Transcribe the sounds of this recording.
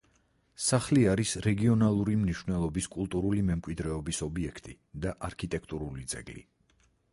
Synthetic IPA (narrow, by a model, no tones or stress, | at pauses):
saχliaɾisɾɛɡiɔnalˠuɾimniʃwvnɛlˠɔbiskʼulˠt̪ʼuɾulimɛmkʼwid̪ɾɛɔbisɔbiɛkʰt̪ʼi | d̪aʔaɾkʰit̪ʼɛkʰt̪ʼuɾulid̪zɛ̰ɡlḭ